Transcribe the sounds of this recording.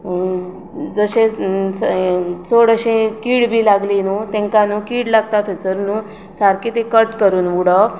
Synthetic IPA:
d͡zəɕẽst͡soɽəɕẽkiːɽbʱiːlaɡlinut̪ɛ̃ŋkanukiːɽlaɡt̪at̪ʰet͡səɾnu | saɾkit̪ẽkəʈkəɾuːnʋuɽə

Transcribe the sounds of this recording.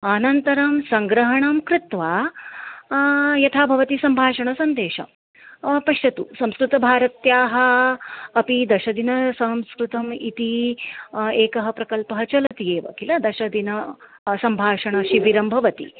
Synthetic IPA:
aːnɐnt̪ɐɾɐmsɐŋɡɾɐɦɐɳɐmkɾɪt̪ʋaː | jɐt̪ʰaːbʱɐʋɐt̪isɐmbʱaːʂɐɳɐsɐnd̪eːʃɐ̰m | pɐʃjɐt̪usɐmskɾut̪ɐbʱaːɾɐt̪jaːɦɐ̆ː | pid̪ɐʃɐd̪inɐsɐmskɾut̪ɐmit̪i | eːkɐɦɐpɾɐkɐlpɐɦɐt͡ʃɐlɐt̪ijeːʋɐ̰kilɐd̪ɐʃɐd̪inɐ | sɐmbʱaːʂɐɳɐʃiʋiɾɐmbʱɐʋɐt̪ḭ

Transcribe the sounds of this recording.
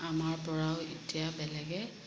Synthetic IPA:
amaɹpɔɹaʊitijabɛlɛɡɛ

